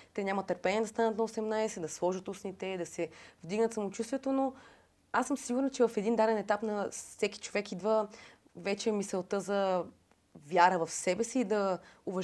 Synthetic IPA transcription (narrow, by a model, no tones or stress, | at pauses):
t̪ɛnʲamɐt̪əɾpɛniɛd̪ɐst̪anət̪nɐosɛmnajsɛd̪ɐslˠɔʒət̪usnit̪ɛd̪ɐsɛvd̪iɡnət̪sɐmot͡ʃust̪vɛt̪ono | asːəmsiɡʊɾnt͡ʃɛvɐfɛd̪ind̪ad̪ɛnɛt̪apnɐsɛki̥t͡ʃovɛkid̪və | vɛt͡ʃɛmisɛlˠt̪əzɐ | vʲjaɾəvɐfsɛbɛsiːd̪ɐʊvɐʒ